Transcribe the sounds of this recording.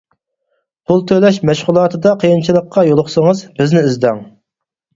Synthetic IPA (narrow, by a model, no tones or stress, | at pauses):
pʰulˠt̪ʰølɛʃmɛʃʁʊlˠɑːt̪ʰɨd̪ɑqʰəjint͡ʃʰilˠəqʰːɑjolˠʊχsəŋəzbɪznɪyzd̪ɛŋ